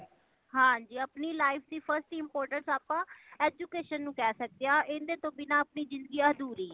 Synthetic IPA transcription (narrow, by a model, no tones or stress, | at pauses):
ɦãːd͡ʒiːəpniːlaːɪpʰd̪iːpʰəɾsʈiɪmpoːɾʈəɳsaːpãːɛːd͡ʒuːkeːʃənːũːkɛːsək̚d̪ejaːʔɪnd̪eːt̪õːbɪnãːəpniːzɪ̃nd̪ɡiːãːɦəd̪uːɾiː